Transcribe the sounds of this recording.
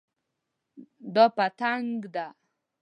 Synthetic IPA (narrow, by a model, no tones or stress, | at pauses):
d̪ɔpat̪aŋɡd̪a